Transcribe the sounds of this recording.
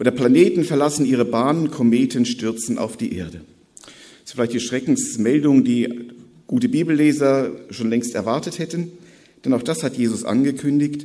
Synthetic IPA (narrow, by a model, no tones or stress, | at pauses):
ʔoːdɐpl̥aneːtn̩fɛɐlasn̩ʔiːʁ̞əbaːnənkʰomeːtʰənʃtʏɐt͡sn̩a̰ʊfd̥iːʔḛːɐdə | sfɪlaɪçtd̥iːʃʁ̥ɛkŋ̩smɛldʊŋəndiː | ɡ̥uːtəbiːbl̩leːzɐʃoːnlɛŋstɛɐvaɐtəthɛtn̩ | d̥ɛnaʊxd̥ashatjeːzʊsʔa̰nɡəkʰʏndɪçt